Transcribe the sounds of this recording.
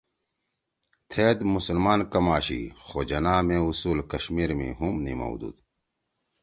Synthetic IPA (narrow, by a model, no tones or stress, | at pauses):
t̪ʰeːd̪musɐlmaːnkɐmaːɕḭxoːd͡ʑɐnaːmẽːusuːlkɐɕmiːɾmḭ̃ɦumnḭmɐ̰wd̪ṵːd̪